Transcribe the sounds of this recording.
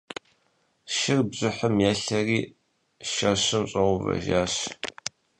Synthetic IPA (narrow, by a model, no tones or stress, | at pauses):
ʃɪrbzʊħəmjæːɬɐriː | ʃɐɕɨmɕʼɐʁʊvɐ̰ʒaːɕ